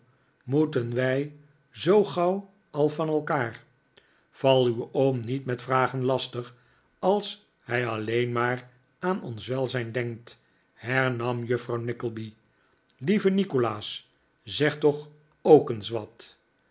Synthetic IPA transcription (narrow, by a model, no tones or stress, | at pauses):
mutənʋɛj | zowχɑw | ɑlˠfɑnɛlˠkaːr | v̥ɑlˠywowmnitmɛtfraːχənlɑstəχ | ɑlˠs | hɛjɑlejnmaːr | ʔaːnɔ̰nsʋɛlˠzɛjndɛŋk̚t | hɛɹnɑmjøfrɑwnɪkəlˠbi | livənikolaːs | zɛχtɔχ | owkənsʋɑt